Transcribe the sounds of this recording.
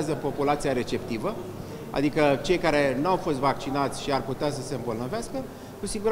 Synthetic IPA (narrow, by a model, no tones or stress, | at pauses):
zəpo̞pulat̪sijaɾe̞t͡ʃe̞p̚t̪ivə | a̰d̪ikət͡ʃe̞jkaɾe̞nuawfo̞st̪vak̚t͡ʃinat̪sʲʃiarput̪eas̬əse̞ɨmbolnəveaskə | kusiɡuɾ